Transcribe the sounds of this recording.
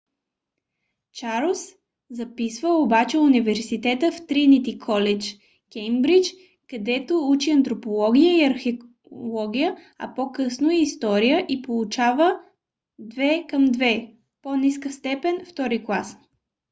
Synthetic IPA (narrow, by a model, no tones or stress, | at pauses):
t͡ʃaɾlˠs | zɐpisvəobat͡ʃɛunivɛɾsit̪ɛt̪əft̪ɾinit̪ikʰɔlɛt͡ʃ | kʲɛjmbɾit͡ʃ | kɐd̪ɛt̪out͡ʃiɐnt̪ɾopolˠɔɡ̟ʲijəiɐɾxɛ | lˠɔɡʲijə | ɐ̰pokɤsnoːst̪ɔɾijəʔipolˠut͡ʃavə | d̪vɛkəmd̪vɛ | poniskəst̪ɛpɛnft̪ɔɾiklˠas